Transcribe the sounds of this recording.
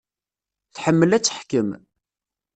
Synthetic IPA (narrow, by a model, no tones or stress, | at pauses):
θħəmːəlæt͡sːəħkəm